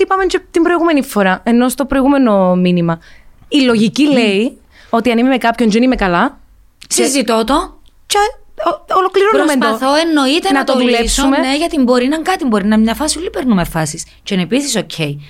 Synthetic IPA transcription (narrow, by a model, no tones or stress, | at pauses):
ipɐment͡ʃet̪imbɾo̞iɣume̞nifo̞ɾɐe̞no̞st̪o̞pɾo̞iɣume̞no̞minimɐilo̞ʝicilei | o̞t̪iɐnimimekɐpço̞nd͡ʒenimekɐlɐ | sizit̪ot̪o | t͡ʃe | olo̞kliɾonɾumesnpd̪ɐoθoenːo̞it̪enɐt̪oðulepsumeneʝɐt̪imbo̞ɾinɐŋkɐt̪imbo̞ɾinɐmɲɐfɐsiulipeɾnumefɐsis | t͡ʃoinepisisocʰe̞j